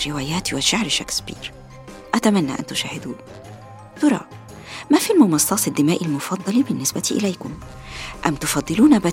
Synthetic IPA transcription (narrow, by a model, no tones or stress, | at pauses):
ɾɪwaːjæːt̪waʃaʕɾʃaksbḭːɾ | ʔæt̪amænːa̰ʔa̰nt̪ʊʃaːhɪd̪uːb | t̪ʊɾˤɑ̰ː | mæfilmʊmɑsˤːɑːsˤɪd̪ːɪmaːʔɪlmʊfɑd̪ˤːɑlibɪnːɪsbæt̪iʔɪ̰lajkʊm | ʔamːt̪ʊfɑd̪ˤːɨluːnabæ